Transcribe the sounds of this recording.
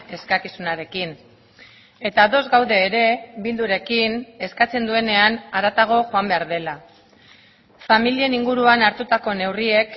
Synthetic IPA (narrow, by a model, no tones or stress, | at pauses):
e̞skakisunaɾe̞kin | e̞t̪aðo̞zɡawðe̞ːɾe̞βild̪uɾe̞kine̞skat͡se̞nd̪ue̞ne̞anaɾat̪aɣ̞o̞ʝo̞ambe̞aɾð̞e̞la | familie̞niŋɡuɾuanaɾt̪ut̪ako̞ne̞wrie̞k